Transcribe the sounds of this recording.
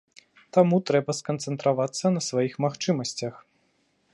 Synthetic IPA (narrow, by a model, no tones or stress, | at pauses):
t̪amut̪ɾɛbɐskɐnt̪sɛnt̪ɾavat̪sːɐnɐsvajixmaxt͡ʂɨmɐsʲt͡sʲɐx